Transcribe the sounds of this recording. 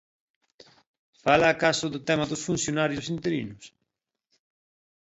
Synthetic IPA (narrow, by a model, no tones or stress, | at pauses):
falaːkasʊðʊt̪ɛmɐðʊsfun̟θjonaɾjʊsint̪eɾḭnʊs